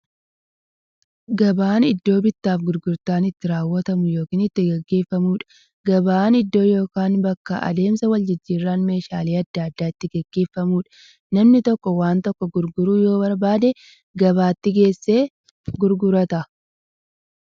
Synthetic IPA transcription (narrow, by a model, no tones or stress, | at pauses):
ɡɐbaːnɪd̪ːo̞ːbɪt̪ːaːfɡʊɾɡʊɾt̪aːnɪt̪ːɪɾaːwːɐt̪ɐmʊjo̞ːkiːnɪt̪ːɪɡɛɡːe̞ːfːɐmuːᶑɐ̥ | ɡɐbaːnɪd̪ːo̞ːjo̞ːkaːnbɐkːɐ̰ʔɐ̰d̪e̞ːmsɐwɐld͡ʒɪd͡ʒːiːrːaːnme̞ːʃaːliːɐd̪ːaːɐd̪ːaːɪt̪ːɪɡɛɡːe̞ːfːɐmuːᶑɐ̥ | nɐmnɪt̪ɔkːɔwaːnt̪ɔkːɔɡʊɾɡʊɾuːjo̞ːbɐɾbaːd̪ɛ | ɡɐβaːt̪ːɪɡe̞ːsːe̞ː | ɡʊɾɡʊɾɐt̪ɐ